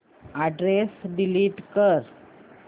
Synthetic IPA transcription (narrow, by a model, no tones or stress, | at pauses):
aɖɾesɖiliːʈkəɾ